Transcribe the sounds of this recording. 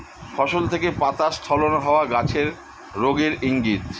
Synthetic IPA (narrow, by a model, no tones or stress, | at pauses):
fɔʃolt̪ʰekepat̪ast̪ʰɔlonɦɔoaɡat͡ɕʰeɾː | oɡiɾiŋɡid̪